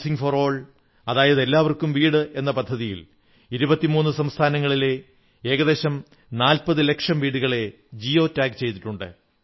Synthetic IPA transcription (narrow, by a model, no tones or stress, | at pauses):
siŋɡforo̞ːɭ | ɐðaːjɐðe̞lːaːʋɐrkumʋiːɽɨʔe̞nːɐpɐd̪ʱːɐðijḭl | iɾubɐt̪ːimuːnːɨsɐmst̪ʰaːnɐŋːɐɭile̞ | e̞ːɣɐðe̞ːɕɐm | naːlpɐðɨle̞kʂɐmʋiːɽuɣɐɭe̞ | d͡ʑio̞ːtːaːɡt͡ɕe̞jt̪iʈːuɳɖɨ̰